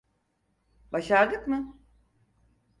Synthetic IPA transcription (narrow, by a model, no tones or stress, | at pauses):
baʃaɾd̪ɯkmɯ